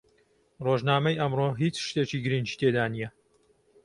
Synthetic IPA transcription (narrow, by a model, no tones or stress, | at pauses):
roʒnaːmɐjʔɐmroɦit͡sʃt̪eːt͡ʃiːɡɨɾɨnd͡ʒiːt̪ʰeːd̪aːnijɛ